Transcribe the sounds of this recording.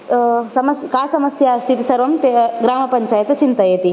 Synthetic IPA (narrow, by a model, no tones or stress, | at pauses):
sɐmɐskaːsɐməsjaɐst̪ʰit̪isɐɾʋɐmt̪eɡɾaːmɐpɐɲt͡ʃaːjet̪t͡ʃint̪ɐjet̪i